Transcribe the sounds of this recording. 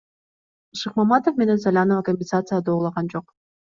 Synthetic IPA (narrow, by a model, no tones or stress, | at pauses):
ʃɯqmamɑt̪ofme̞ne̞nsalʲanovakomʲbʲɪnsat̪sɨjad̪oːlˠɑʁɑnd͡ʒo̞q